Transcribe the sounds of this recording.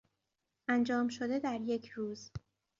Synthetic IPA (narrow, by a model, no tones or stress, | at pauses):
ʔænd͡ʒɒːmʃo̞d̪e̞d̪æɾje̞cʰɾuːz